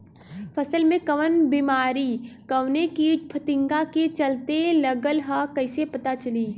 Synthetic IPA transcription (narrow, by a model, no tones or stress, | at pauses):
fʰɐsəlmẽkɐʋənbiːmaːɾiːkəwnekipʰɐt̪ɪ̃ŋɡaket͡ʃɐlt̪elɐɡəlɦakɐɪsepɐt̪at͡ʃɐliː